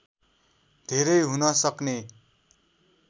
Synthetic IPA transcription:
d̪ʱeɾʌjɦunʌsʌkne

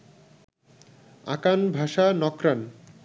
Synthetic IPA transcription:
a̰kanbʱaʃanɔkɾan

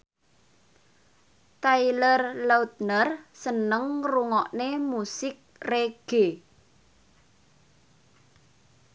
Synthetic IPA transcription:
t̪ailərlaut̪̚nərsənəŋruŋɔʔnemusɪk̚reɡ̥e

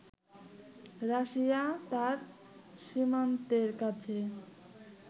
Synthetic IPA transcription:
ɾaʃiat̪aɾ | ʃimant̪eɾkat͡ɕʰe

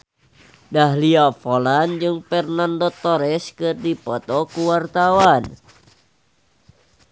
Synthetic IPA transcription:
daɦliafoland͡ʒɨŋfɛrnandɔt̪ɔɾɛskɨrdipɔt̪ɔkuwart̪awan

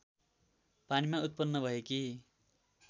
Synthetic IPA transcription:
panimaut̪̚pʌnːʌbʱʌjeki

